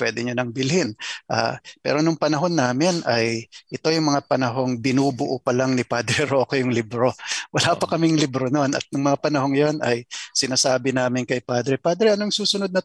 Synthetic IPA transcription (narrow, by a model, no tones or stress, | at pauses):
pwɛːd̪ɪɲonɐŋbɪlhɪnʔa̰ːpɛ̰ːɾo̞nʊŋpɐnɐɦo̞nːaːmɪnɐjʔɪt̪o̞jʊŋmɐŋapɐnɐɦo̞ŋbɪnuːbʊʔopɐlaŋnɪpad̪ɾɛɾo̞ːkojʊŋlɪbɾo̞wɐlaːpɐkɐmɪŋlɪbɾono̞nɐ̰t̪̚nʊŋmɐŋapɐnɐɦo̞ŋjo̞nɐjsɪnaːsaːbɪnaːmɪnkɐjpaːd̪ɾɛpaːd̪ɾɛʔɐnoŋsuːsʊnod̪̚nɐ